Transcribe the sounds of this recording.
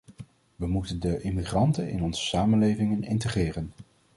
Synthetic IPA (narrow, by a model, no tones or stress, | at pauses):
ʋəmutəndəʔɪmiχrɑntənɪ̰nɔnz̥ə̥saːmənlejvɪŋənɪ̰ntəχrɪːrən